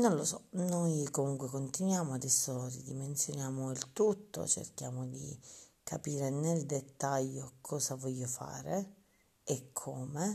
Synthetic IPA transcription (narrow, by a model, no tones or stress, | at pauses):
nonlosɔnojkomuŋkwekont̪inwjaːmoad̪ɛsːoɾid̪iment̪sjonjaːmoilt̪ut̪ːo̰t͡ʃḛrkja̰ːmod̪ḭkʰapiːɾeneld̪et̪ːaʎːokʰɔːsavɔʎːofa̰ːɾe | ɛkʰːɔːme